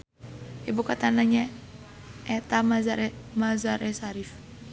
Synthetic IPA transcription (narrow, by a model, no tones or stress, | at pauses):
ibukat̪anaɲa | ɛt̪amazaɾmazaɾʔɛsaɾif